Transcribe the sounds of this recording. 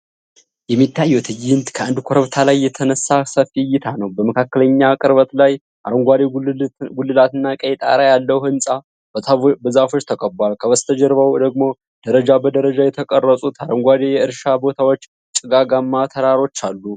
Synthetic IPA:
jɛmːit̪ʰːajːɛwt̪ʰɨjɨnt̪kʰəand̪kʷʰoɾəβt̪ʰalajːɛt̪ʰənəsːasəfijːɪt̪ʰanəwbəməkʰakːələɲːakʼɨɾβət̪laj | ʔa̰ɾəŋɡʷad̪eɡulːɨlat̪ɨnːakʼəjɛt̪ʼa̰ɾajalːəwhɨnsʼa | b̪bəzafo̞t͡ʃːt̪ʰəkʼəbalkʰəβəst̪ʰəd͡ʒɛɾβawd̪əɡmo̞ | d̪̥əɾəd͡ʒabəd̪əɾəd͡ʒajɛt̪ʰəkʼərːəsʼut̪aɾəŋɡʷad̪ejɛɨɾʃabo̞t̪ʰawo̞t͡ʃː | t͡ʃʼɨɡaɡamːat̪ʰəɾaɾo̞t͡ʃːalːu

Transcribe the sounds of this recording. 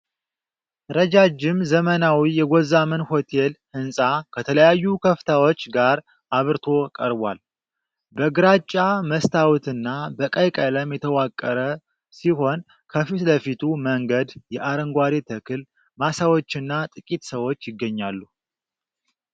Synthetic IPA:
ɾəd͡ʒad͡ʒɪmzəmənawijɛɡozamənho̞t̪ʰe̞lhɨnsʼakʰət̪ʰələjajːukʰəft̪ʰawo̞t͡ʃːɡaɾ | ʔaβɨɾt̪ʰo̞kʼəɾbʷa̰l | bəɡɨɾat͡ʃʼːaməst̪ʰawut̪ɨnːabəkʼəjkʼələmjɛt̪ʰəwakʼːəɾə | siɦo̞n | kʰəfit̪ləfit̪ʰuməŋɡəd̪jɛʔaɾəŋɡʷaɾit̪ʰəkʰɨl | masawo̞t͡ʃːɨnːat̪ʼɨkʼit̪səwo̞t͡ʃːjɪɡːəɲːalːu

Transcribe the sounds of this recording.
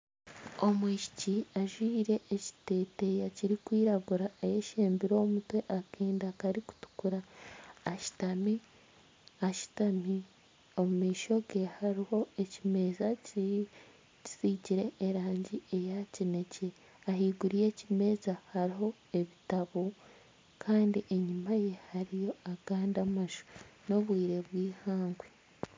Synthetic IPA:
o̞mwiːʃi̥ciaʒwiːɾe̞ʔːci̥te̞ːte̞jaciɾikwiːɾaɡuɾaejeʃeːmbiɾo̞ːmutwe̞ʔakeːndakaɾiku̥tu̥kuɾaː | ʃi̥tami | aʃu̥tami | o̞mumiːʃo̞ɡe̞haɾiho̞e̞cime̞ːzac | ci̥siciɾe̞ʔːɾaːɲɟie̞jacine̞ce̞ | aɦiːɡuɾije̞cime̞ːzahaɾiɦo̞ | e̞βitaβo | kʰaːndiʔe̞ɲumaje̞haɾijo̞aɡ̥aːndamaʒu̥no̞βwiːɾe̞βwiːhaːŋɡwe

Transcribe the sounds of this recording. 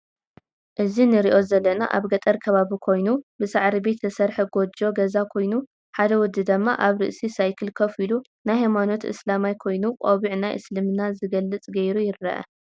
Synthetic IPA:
ʔɨzinɨɾiʔo̞zɐlːɐna̰ʔa̰βɡɐt̪ʼɐɾkʰɐβaβikʰo̞jnubɨsaʕɾibe̞t̪ɨsɐɾħɐɡo̞d͡ʒo̞ɡɐzakʰo̞jnu | ħad̪ɐwɔd̪ːɨd̪ɐmːa̰ʔaβɾɨ̰ʔsisajkʰɨlkʰɐfilu | najɦajmano̞t̪ʔɨ̰slamajkʰo̞jnuqʼoβiʕnajʔɨ̰slɨmnazɨɡɐlːɨt͡sʼɡɐjɾujɪɾːɐ̰ʔɐ̰

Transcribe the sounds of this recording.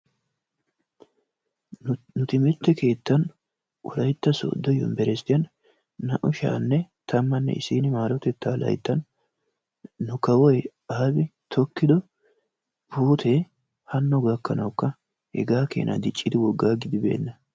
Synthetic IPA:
nʊt̪ɪmɛt̪ːɛke̞ːt̪ːɐn | ʔɔ̰lɐjt̪ːɐsɔ̰ːd̪ːɔjɔ̰mbɛɾɛst̪ːɪjɐnː | ɐʔʊʃa̰ːnːɛt̪ʰɐmːɐnːɛ̰ʔɪ̰siːnɪmaːɾɔt̪ɛt̪ːaːlɐ̰jt̪ːɐn | ʊkɐwɔj | aːbɪt̪ʰɔkːɪd̪ɔ | buːt̪ʰe | hɐnːɔɡɐkːɐnɐwkːɐ | hɛ̰ɡaːkḛːnʔɐ̰d̪ɪt͡ʃʼːɪd̪ɪwɔɡːaːɡɪd̪ɪbe̞̰ːnːɐ

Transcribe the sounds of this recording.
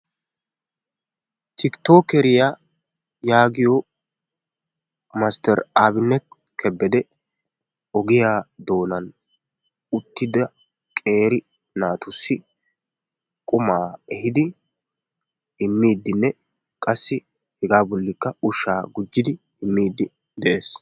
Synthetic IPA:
t̪ʰɪkt̪o̞ːkɛɾɪja | jaːɡɪjo | mast̪ɛɾaːbɪnːɛt̪̚ | kʰɛbːɛd̪ɛ | ɔɡɪjaːd̪o̞ːnɐn | ʊt̪ːɪd̪ɐ | kʼe̞ːɾɪ | naːt̪ʊsːɪ | kʼʊmaːɛɦɪd̪ɪ | ɪmːiːd̪ːɪnːɛ | kʼɐsːɪ | hɛɡaːbɔlːɪkːɐʊʃːaːɡʊd͡ʒːɪd̪ɪ | ɪmːiːd̪ːɪ | d̪ɛʔe̞ːs

